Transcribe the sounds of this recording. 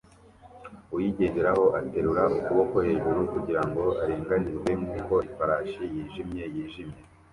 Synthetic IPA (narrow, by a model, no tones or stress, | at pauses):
ujiɟe̞ːndeɾaho̞ʔate̞ɾuɾaukuβo̞kohe̞ːʒuɾukuɟiɾaŋɡo̞aɾeːŋɡanizɡwemŋuko̞ifaɾaʃijiːʒimɲe̞jiːʒimɲe̞